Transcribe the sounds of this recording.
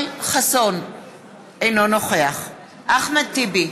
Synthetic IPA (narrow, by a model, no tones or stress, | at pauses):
jχason | ejnonoχeaχ | ʔaχmat̪ibi